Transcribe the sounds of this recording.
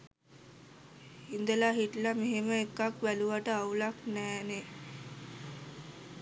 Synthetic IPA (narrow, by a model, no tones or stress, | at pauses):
hind̪əlaɦiʈlameɦeməekːakʋæluʋaʈəaulaknæːne